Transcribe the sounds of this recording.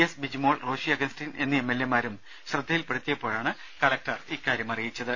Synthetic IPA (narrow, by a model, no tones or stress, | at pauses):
esbid͡ʑimo̞ːɭro̞ːɕiɐɡɐnstine̞nːɨemːe̞lːemaːɾum | ɕrɨd̪ʱːɐjilpɐɽut̪ːijɐpːo̞ːɻaːɳɨ | kɐlɐk̚ʈɐriːkːaːɾjɐmɐrijit͡ɕːɐðɨ